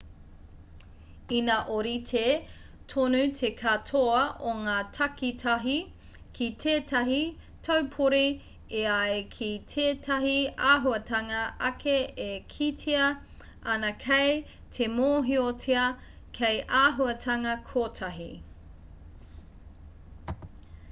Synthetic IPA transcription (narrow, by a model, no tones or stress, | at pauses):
inɐʔoɾitʰe | tʰonʉtʰekʰatʰoɐʔoŋaːtʰɐkitʰɐɦi | kʰitʰeːtɐɦi | tʰɐwpʰuɾi | eaekʰitʰeːtʰɐɦiaːɦuɐtʰɐŋɐɐkʰeekʰitʰeɐ | ʔɐnɐkʰej | tʰemoːɦiotʰeɐ | kʰejʔaːɦuɐtʰɐŋɐkʰoːtʰɐɦi